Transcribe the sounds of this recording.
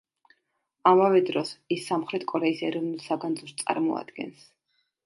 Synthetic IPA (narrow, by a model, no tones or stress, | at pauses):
amavɛd̪ɾɔsisːamχɾɛt̪ʰkʼɔɾɛisɛɾɔvnulˠsaɡand̪zust̪sʼa̰ɾmɔa̰d̪̥ɡɛ̰ns